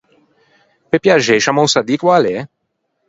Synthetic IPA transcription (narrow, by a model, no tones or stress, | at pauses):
pepjaʒeʃamowsad̪ikwale